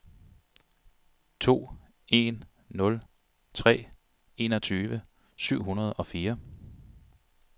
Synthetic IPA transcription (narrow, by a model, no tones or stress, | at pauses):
t͡sʰo̝̰ː | e̝nː | ɔ̽l | t͡sʰʁɛ̰ː | e̝nɒ̽t͡sʰyːʋə | syʊ̰ɦunɐð̞̩ˠɒ̽fiːɐ